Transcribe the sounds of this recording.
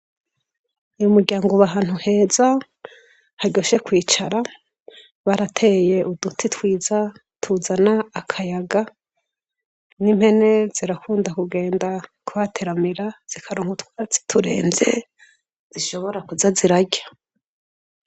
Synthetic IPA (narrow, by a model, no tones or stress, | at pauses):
ujumuɾɟaːŋɡoβaɦaːn̥huhe̞ːza | haɟo̞ʃe̞kwiːt͡ʃaɾa | βaɾatʰe̞je̞ʔudutʰitwiːza | tʰuzanaːkʰajaɡa | nim̥he̞ne̞ziɾakʰuːndakuɡe̞ːndakuβatʰeɾamiɾaz̥ikʰaɾuːŋhutwat͡si̥tʰuɾḛːnze̞̰ | z̥iʃo̞βo̞ɾakuzaziɾaɟḁ